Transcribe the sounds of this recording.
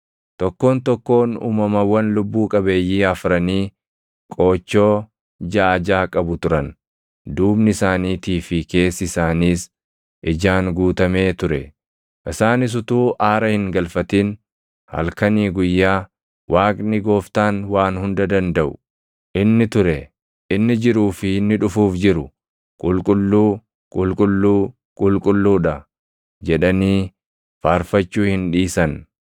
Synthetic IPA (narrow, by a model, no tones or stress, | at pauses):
t̪ɔkːo̞ːnt̪ɔkːo̞ːnṵːmɐmɐwɐnlʊbːuːkʼɐbe̞ːjːiːɐfɾɐniː | kʼo̞ːt͡ʃːo̞ː | d͡ʒaːd͡ʒaːkʼɐbʊt̪ʊɾɐn | d̪uːbnɪɪsaːniːt̪iːfɪke̞ːsːɪsaːniːs | ʔɪd͡ʒaːŋɡuːt̪ɐme̞ːt̪ʊɾɛ | ʔɪsaːnɪs̬ʊt̪uːʔaːɾɐhɪŋɡɐlfɐt̪in | hɐ̰lkɐniːɡʊjːaː | wʔaːkʼnɪɡo̞ːft̪aːnwaːnhʊnd̪ɐd̪ɐnd̪ɐʔʊ | ʔɪnːɪt̪ʊɾɛ | ʔɪnːɪd͡ʒɪɾuːfɪɪnːɪᶑʊfuːfd͡ʒɪɾʊ | kʼʊlkʼʊlːuː | kʼʊlkʼʊlːuː | kʼʊlkʼʊlːuːᶑɐ | d͡ʒɛᶑɐniː | faːɾfɐt͡ʃːuːhɪnᶑiːsɐn